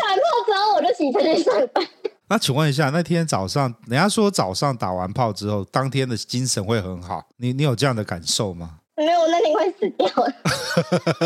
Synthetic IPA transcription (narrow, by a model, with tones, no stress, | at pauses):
ta˨˧˥pʰɑ˥˩ʊt͡sɹ̩˧˥o˥˩ʊwɔ˨˩ɾɕi˨˩t͡sʰə˧˥nə˥˩sɑ˥˩pa˥˩na˥˩t͡ɕʰi˨˩ŋwə˥˨ni˧ɕ̬ja˥˨na˥˩ɪt̪ʰjɛ˥nt͡sɑ˨˩ʊʂɑ˥˩ŋni˨˩jɑ˥˩swɔ˥t͡sɑ˨˩ʊʂɑ˥˩ŋt̪a̰˨˩wa˧˦npʰɑ˥˨ʊʈ͡ʂɻ̩˦xo˥˩ʊt̪ɑ˥ŋt̪ʰjɛ˥nd̪ə˨t͡ɕi˦nʂə˧˦nxwe˥˩ɪxə˧˥nxɑ˨˩˦ʊni˨˦ni˧˦jo˨˩ʊʈ͡ʂɤ˥˧jɑ˥˩ŋd̪ə˩ka˨˩nʂo˥˨ʊma˩˧˩ | e˥˩˨wɔ˨˩na˥˧t̪ji˥ŋwe˥˩ɪsɹ̩˨˩t̪jɑ˥˩ʊ